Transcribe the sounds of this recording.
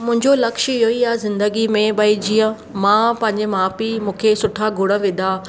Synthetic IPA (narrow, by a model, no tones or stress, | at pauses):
mʊ̃ɦɪ̃ɲd͡ʑolɐkʃəoiazɪ̃nd̪əɡimẽbɐid͡ʑijə̃ | mãːpɐ̃ɦɪ̃ɲd͡ʑemaːpimũːkʰesʊʈʰaɡʱʊɽəʋɪ̃d̪a